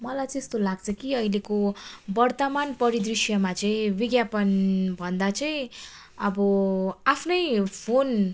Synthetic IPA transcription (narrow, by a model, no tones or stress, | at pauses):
mʌlajt͡sest̪olaɡt͡sʰʌkiʌilekobʌrt̪ʌmanpʌɾid̪risjʌmat͡sʌĩbiɡjapʌnbʱʌnd̪at͡sʌĩ | ʌbʌapʰnʌjpʰon